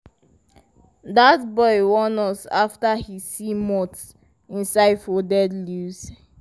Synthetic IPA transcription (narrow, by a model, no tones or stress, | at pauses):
datbɔɪwɔ̃nɔsaftahisimɔt | ĩnsaɪdfɔdɛdlus